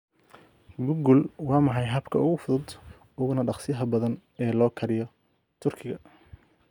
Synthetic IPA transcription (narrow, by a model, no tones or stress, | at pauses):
ɡʊɡʊlwɑːmɑħɑjɦɐbkʰɐʊɣʊfʊðʊd̪ | ʊɣʊnɐɖɑχsɪjɐɦɐbɐðɐn | ɛːlɔːkʰɐɾɪjɔ | t̪ʰʊrkʰɪɣɐ